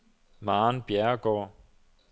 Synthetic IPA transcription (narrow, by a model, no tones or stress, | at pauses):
mɑ̈ːnb̥jæɐɡ̥ɒ̰ː